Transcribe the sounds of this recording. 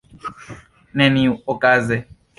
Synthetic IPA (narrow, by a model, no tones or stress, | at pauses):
nɛniɔkʼaːzɛ